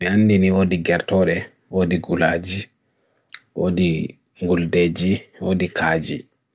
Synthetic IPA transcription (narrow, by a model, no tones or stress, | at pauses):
mianːdiniwoːdiɡɛɾtɔɗɛ | wodiɡulaːd͡ʒi | wodi | ŋɡulded͡ʒiwodikʰaːd͡ʒi